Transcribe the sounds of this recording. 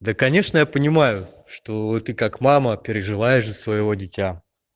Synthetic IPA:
d̪əkɐnʲe̞ʂnəjapənʲɪmajʊ | ʂt̪o̞t̪ɨkakmaməpʲɪɾʲɪʐɨlˠajɪʂəsvəjɪvo̞dʲɪtʲa

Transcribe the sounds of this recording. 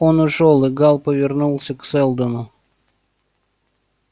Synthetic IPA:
onʊʂolˠɨɡɑlˠpəvʲɪrnulˠsʲəksɛlˠd̪ənʊ

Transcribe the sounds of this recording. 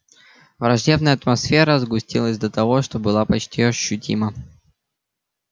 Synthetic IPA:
vɾɐʐdʲe̞bnəjəɐt̪mɐsfʲeɾəzɡʊsʲtʲilˠəzʲd̪ət̪ɐvo̞ʂt̪o̞bɨlˠapɐt͡ɕtʲiɐɕːʊtʲʰḭmə

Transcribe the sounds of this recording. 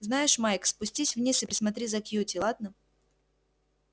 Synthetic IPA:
znajɪʂmajkspʊsʲtʲisʲvnʲisɨpɾʲɪsmɐt̪̬ɾʲizɐkjutʲɪlˠad̪̚nə

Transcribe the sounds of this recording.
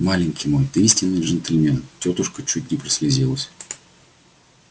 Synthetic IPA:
malʲɪnʲkʲɪjmo̞jt̪isʲtʲɪnːɨjʐɨnt̪ɪlʲmʲentʲot̪ʊʂkət͡ɕut̚ʲnʲɪpɾəsʲlʲɪzʲilˠəsʲ

